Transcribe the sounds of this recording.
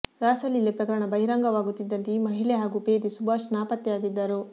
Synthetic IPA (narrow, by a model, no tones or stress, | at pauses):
ɾaːsɐlilepɾɐkɐɾɐɳɐbɐɦiɾaːŋɡɐʋaːɡut̪ːid̪ːɐnt̪imɐɦiɭeɦaːɡupeːd̪isubʱaːʂnaːpɐt̪ːjjaːɡid̪ːaɾu